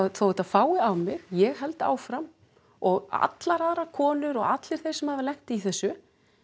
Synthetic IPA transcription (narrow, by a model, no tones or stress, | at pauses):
θowɛt̪aðfaːwɪawmɪɣjɛɣɦɛlt̪a̰ːwfɾam | ɔɣa̰t̪laɾaðɾakʰɔːnʏɾɔɣat̪lɪɾ̥θejɾ̥sɛmhavɪlɛxt̪iθɛsːʏ